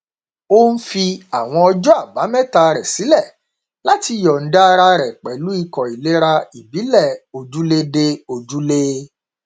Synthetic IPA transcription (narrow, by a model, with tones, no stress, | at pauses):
o˦n̩˦fi˧a˨w̃ɔ̃˧ɔ˧d͡ʒɔ˦a˦˨ba˨˦mɛ̃˦˨ta˧ɾɛ˨si˨˦lɛ˦˨ | la˨˦ti˧jɔ˨n̩˨˦da˦˧ɾa˧ɾɛ˨k͡pɛ˨lu˨˦i˧kɔ˨i˨le˨˦ɾa˧i˨bi˨˦lɛ˦˨o˨d͡ʒu˦le˧de˧o˨d͡ʒu˦le˦